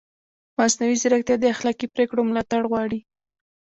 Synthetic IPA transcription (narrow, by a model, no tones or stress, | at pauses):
masnawizɪɾaxt̪jɑd̪əaxlɑkipɾekɽomlɑt̪aɽɣwɑɽi